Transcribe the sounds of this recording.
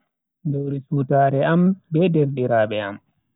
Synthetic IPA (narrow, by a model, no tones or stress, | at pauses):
dowɾisutaːɾɛambɛdɛɾɗiɾaːɓɛa̰m